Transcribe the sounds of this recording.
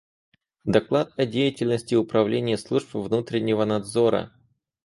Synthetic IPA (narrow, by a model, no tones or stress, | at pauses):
d̪ɐklˠat̪̚ɐdʲejɪtʲɪlʲnəsʲtʲɪʊpɾɐvlʲenʲɪjəslˠuʐpvnut̪ɾʲɪnʲːɪvənɐd̪zo̞ɾə̰